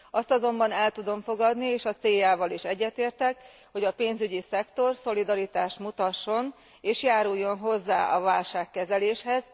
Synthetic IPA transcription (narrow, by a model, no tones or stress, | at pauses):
ɒst̪ɒzo̞mbɒnɛlt̪ud̪o̞ɱfo̞ɡɒd̪nieːʃɒt̪seːjaːvɒliʃɛɟːɛt̪eːrt̪ɛk | ho̞ɟɒpeːnzyɟisɛkt̪o̞rso̞lid̪ɒɾit̪aːʃt̪mut̪ɒʃːo̞n | eːʃjaːɾujːo̞nɦo̞zːa̰ːʔɒvaːlʃaːkːɛzɛleːʃhɛz